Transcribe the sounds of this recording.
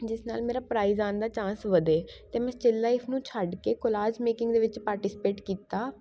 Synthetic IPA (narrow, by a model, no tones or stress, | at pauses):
d͡ʒɪsnaːlmeːɾaːpɾaːiːzaːnd̪aːt͡ʃãːsʋəd̪eːt̪eːmɛ̃ːt͡ʃɪlːaːɪpʰnũːt͡ʃʰəɖkeːkolaːd͡ʒmeːkɪ̃ŋɡd̪eːʋɪt͡ʃpaːɾʈɪsɪ̥peːʈkiːt̪aː